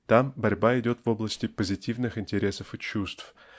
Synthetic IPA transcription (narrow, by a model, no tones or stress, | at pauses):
t̪ambɐɾʲbaɪdʲo̞t̪vo̞blˠəsʲtʲɪpəzʲɪtʲivnɨxɪnʲtʲɪɾʲe̞səfɨt͡ɕust̪f